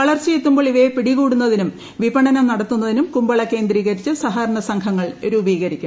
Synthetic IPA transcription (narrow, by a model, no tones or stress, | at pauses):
ʋɐɭɐrt͡ɕːijet̪ːumboːɭiʋepiɽiɣuːɽunːɐðinum | ʋibɐɳɐnɐmnɐɽɐt̪ːunːɐðinumkumbɐɭɐke̞ːnd̪riːɣɐɾit͡ɕːɨsɐɦaːɾɐɳɐsɐŋkʰɐŋːɐɭɾuːbiːɣɐɾikʲːum